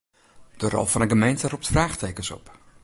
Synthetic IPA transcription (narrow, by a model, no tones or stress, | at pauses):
d̥ərɔ̰lˠfɑnəɡəmejntəruptfraːχteːkənsɔ̰p